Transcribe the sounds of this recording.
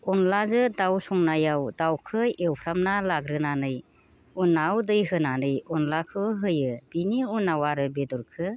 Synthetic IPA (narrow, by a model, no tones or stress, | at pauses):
ɔnlazɯdawsɔŋnajawdawkʰɯewpʰɾamnalaɡɾɯnanɯj | unːawdɯjɦɯnanɯjɔnlakʰɯɦɯjɯb̥iniunːawaɾɯbedɔɾkʰɯ